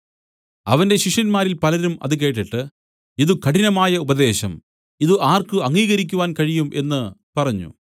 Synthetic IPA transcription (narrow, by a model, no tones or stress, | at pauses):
ɐ̰ʋɐndeɕiʂɐnmaːɾilpɐlɐɾumʔɐ̰ðɨk̬e̞ːʈːiʈːɨ | iðukɐɽinɐmaːjɐubɐd̪e̞ːɕɐm | iðɨʔaːrkɨɐŋːiːɣɐɾik̬ʲːuʋaːnkɐɻijume̞̰nːɨpɐrɐɲːṵ